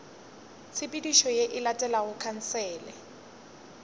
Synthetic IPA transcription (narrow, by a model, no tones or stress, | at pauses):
t͡sʰɪpʼidiʃɔjeʔɪlatʼɛlawʊkʰan̩sɛːlɛ̰